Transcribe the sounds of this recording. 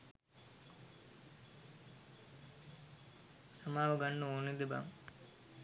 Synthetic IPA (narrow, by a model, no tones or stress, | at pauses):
sɐmaːʋɐɡɐnːuoːnid̪eba̰m